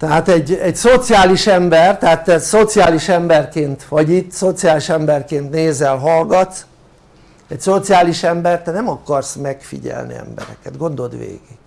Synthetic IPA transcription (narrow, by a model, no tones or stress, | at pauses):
t̪ɛɦaːt̪ɛɟɛɟso̞t̪sijaːliʃɛmbɛrt̪ɛɦaːt̪ːɛso̞t̪sijaːliʃɛmbɛrkeːnt̪ʋɒɟit̪ːso̞t̪sijaːliʃɛmbɛrkeːnt̪neːzɛlɦɒlɡɒt̪s | ɛcso̞t̪sijaːliʃɛmbɛrt̪ɛnɛmɒkɒrsmɛkfḭɟɛ̰lnḭɛ̰mbɛ̰ɾɛ̰kɛt̪ɡo̞nd̪o̞d̪ʋḛːɡiɡ